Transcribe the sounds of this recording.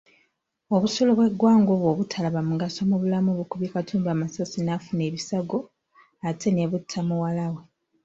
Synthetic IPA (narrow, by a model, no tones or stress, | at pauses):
oβusoloβwe̞ɡːwaːŋɡoβwoβutʰalaβamuɡasomuβulamuβukuβjikatʰuːmbaːmasasinafune̞ːβisaɡo̞ | atʰe̞neβutʰːamuwalawe̞